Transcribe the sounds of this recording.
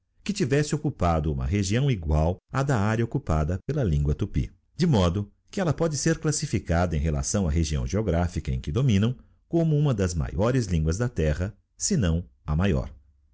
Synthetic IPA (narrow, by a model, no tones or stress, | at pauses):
kɪt͡ʃivɛsɪokupad̪ʊũmɐ̰ɦeʒiɐ̃w̃iɡwawɐd̪aaɾɐokupad̪ɐpelɐlĩŋɡwɐt̪upḭ | d͡ʒɪmɔd̪ʊkɪɛlɐpɔd͡ʒɪseɾklasifikad̪ɐẽj̃ɦela̰sɐ̃w̃ɐɦeʒiɐ̰̃w̃ʒeoɡɾafikɐḛ̃kɪd̪omĩnɐ̃w̃ | kõmʊũmɐd̪ɐzma̰jɔɾɪzlĩŋɡwɐzd̪ɐt̪ɛʁɐ | sɪnɐ̃w̃ɐmajɔ̰ɾ